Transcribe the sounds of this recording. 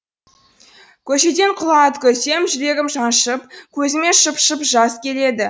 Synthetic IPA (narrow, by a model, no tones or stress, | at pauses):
kʲʰɵʃe̞d̪e̞ɴqʰʊlˠɑt̪kʲʰɵse̞mʒʏɾe̞ɡʲɪmʒɑnʃəpkʲʰɵzɪmeʃəpʃəpʒɑskʲʰe̞le̞d̪ɪ